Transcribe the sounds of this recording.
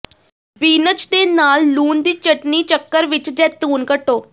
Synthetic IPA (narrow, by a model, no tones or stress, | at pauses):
biːnət͡ʃd̪eːnaːlːuːnd̪iːt͡ʃəʈniːt͡ʃəkːəɾʋɪt͡ʃd͡ʒɛːt̪uːnkəʈːoː